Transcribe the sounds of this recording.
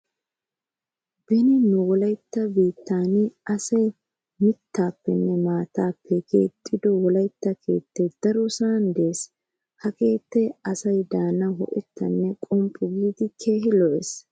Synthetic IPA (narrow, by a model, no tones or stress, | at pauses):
bɪnɪnʊwɔlɐjt̪ːɐbiːt̪ːaːnɐsɐj | mɪt̪ʰːaːpːɛnːɛmaːt̪aːpʰːɛkʰe̞̰ːt̪ʼːɪd̪ɔwɔlɐjt̪ːɐkʰe̞̰ːt̪ːɛd̪̥ɐɾɔsaːnd̪eːs | hɐke̞ːt̪ːɛɐsɐjd̪aːnɐɦɔ̰ʔɛt̪ːɐnːɛkʼɔmpʼʊɡiːd̪ɪkʰe̞ːɦɪlɔʔɛs